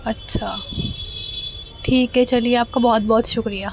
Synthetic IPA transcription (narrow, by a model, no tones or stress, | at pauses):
ɐtːʃʰaː | ʈʰiːkɦet͡ʃɐlieaːp̚kabɔɦɔt̪̚bɔːt̪ʃʊkɾija